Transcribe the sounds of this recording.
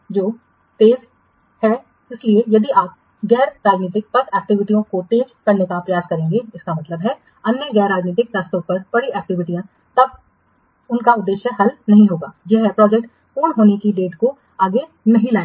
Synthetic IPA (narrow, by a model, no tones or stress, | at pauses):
d͡ʒoː | t̪eːd͡ʒ | hɛ | ɪsliejɐd̪iaːp̚ | ɡɛːɾɾaːd͡ʒniːt̪̬ɪk̚pɐt̪ɛːk̚ʈɪʋɪʈijõkot̪eːd͡ʒkɐɾnekapɾɐjaːskɐɾẽːŋɡeɪskamɐt̪ləbɦɛ | ɐnjəɡɛːɾːaːd͡ʒniːt̪ɪkɾaːst̪õpɐɾb̥ɐɽiɛːk̚ʈɪʋɪʈijã | t̪ɐb̚ | ʊnkaʊd̪ːeːʃjəɦɐlnɐɦĩɦoːɡa̰ːjɛɦɛpɾɔːd͡ʒɛk̚ʈ | poːɳɦoːnekiɖeːʈko | aːɡe | nɐɦĩlaːẽ